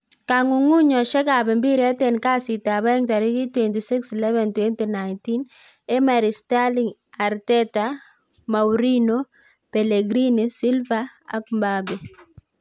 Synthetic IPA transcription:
ka˨ŋu˨ŋu˦ɲɔ˨ʃɛ˦ka˨bɛ˨mbi˦ɾia˦tɛ˦nka˦si˨ta˨ba˦ɛ˦ŋta˨ɾi˦ki˦twɛ˨nti˨si˦ksi˨lɛ˦vɛ˨ntwɛ˦nti˨na˨ɪnti˦n | ɛ˦ma˨ɾi˨sta˦liŋ | a˨ɾtɛ˦ta | ma˨wɾi˦no | pɛ˨le˨ɡɾi˦nisi˦lva˦a̰˦kmba˦bɛ˨

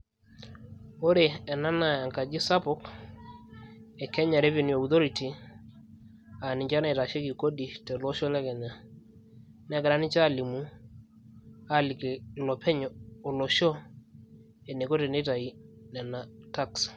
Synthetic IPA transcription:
o˦ɾe˨ɛ˨na˦na˦˨a˨ŋka˨d͡ʒɪ˦sa˦pʊ˦k | ɛ˨kɛ˦ɲa˨ɾe˦ve˨nu˨a˨u˨t̪o˦ɾi˨ti˨ | a˨nɪ˨ɲt͡ʃa˦na˨ta˨ʃe˦ki˨ko˦di˨tɛ˨lo˦ʃɔ˦lɛ˦kɛ˨ɲa˨ | nɛ˦ɡɪ˨ɾa˦nɪ˦t͡ʃa˦˨li˨mu˦ | a˦˨lɪ˨ki˨lɔ˨pʰɛ˦ɲ˨ɔ˨lɔ˨ʃɔ˦ | ɛ˨ne˨ko˦te˨ne˦ta˨i˨nɛ˨na˨ta˦ks

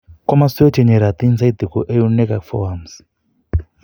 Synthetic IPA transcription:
ko˦ma˦su˦e˦te˨ɲe˨ɾa˨t̪i˦nsa˦id̪i˨ko˨ʔe˦ju˦ne˦ka˨fɔ̰ams

